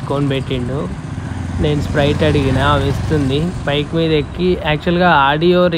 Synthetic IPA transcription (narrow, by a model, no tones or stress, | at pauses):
koːnpeʈːiɳɖu | ne̞ːnuspɾɐjʈɐɽiɡinɐʋist̪und̪ipɐjkmiːd̪ɐekːiæːk̚t͡ʃuɐlɡaːaːɖijoːɾ